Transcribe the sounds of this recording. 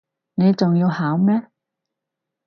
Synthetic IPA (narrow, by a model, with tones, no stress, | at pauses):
ne˨˧jt͡sʊ˨ŋjiː˧whaː˨˥wmɛː˥